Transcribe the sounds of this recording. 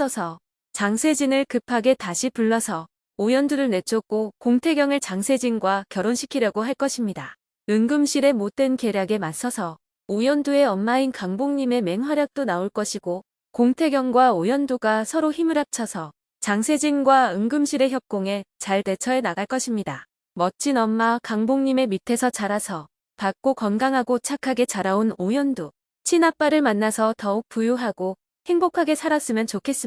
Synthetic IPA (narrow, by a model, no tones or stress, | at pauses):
ʌsʰʌ | t͡ɕaŋsʰe̞d͡ʑinɯɭkɯpʰaɡe̞taɕʰipuɭːʌsʰʌ | ojʌnduɾɯɭne̞t͡ɕʰok͈okoŋtʰe̞ɡjʌŋɯɭt͡ɕaŋsʰe̞d͡ʑinɡwakjʌɾonɕʰi̥kʰiɾjʌɡoɦaɭk͈ʌɕʰimɲida | ɯŋɡɯmɕʰiɾe̞mot̚t͈wenke̞ɾjaɡe̞mas͈ʰʌsʰʌ | ojʌndue̞ʌnmainkaŋboŋɲime̞me̞ŋɸwaɾjak̚t͈onaoɭk͈ʌɕʰiɡo | koŋtʰe̞ɡjʌŋɡwaojʌnduɡasʰʌɾoçimɯɾap̚t͡ɕʰʌsʰʌ | t͡ɕaŋsʰe̞d͡ʑinɡwaɯŋɡɯmɕʰiɾe̞çjʌp̚k͈oŋe̞t͡ɕaɭte̞t͡ɕʰʌe̞naɡaɭk͈ʌɕʰimɲida | mʌt͡ɕ͈inʌmːakaŋboŋɲime̞mitʰe̞sʰʌt͡ɕaɾasʰʌ | pak̚k͈okʌnɡaŋɦaɡot͡ɕʰakʰaɡe̞t͡ɕaɾaonojʌndu | t͡ɕʰinap͈aɾɯɭmanːasʰʌtʌuk̚p͈ujuɦaɡo | he̞ŋbokʰaɡe̞sʰaɾas͈ɯmjʌnt͡ɕokʰe̞s͈ɯ